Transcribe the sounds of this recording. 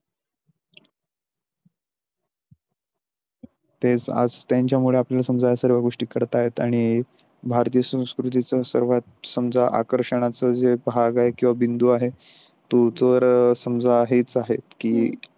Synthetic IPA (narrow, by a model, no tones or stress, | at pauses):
t̪ed͡za̰d͡zt̪jaɲt͡ɕjamuɭeapljalasəmd͡zʱajasəɾʋaɡoʂʈiːkəɾt̪aːɦet̪aɽ̃i | bʱaɾt̪ijəsə̃w̃skɾut̪̬it͡səsə̰ɾʋat̪səmd͡zʱaʔa̰kəɾʂəɽ̃at͡səd͡zebɦaɡaɦekĩw̃ʋabind̪uaɦe | t̪ud͡zəɾsəmd͡zʱaɦit͡saɦet̪kiː